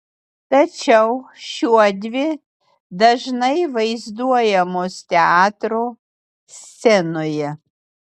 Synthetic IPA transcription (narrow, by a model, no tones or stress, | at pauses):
t̪ɐt͡ʃʲɛʊʃʲuɔd̪ʲʋʲɪ | d̪ɐʒnɐɪʋɐɪzd̪uɔjɛmoːst̪ʲɛɑːt̪ɾoː | sʲt͡ssʲɛnoːjɛ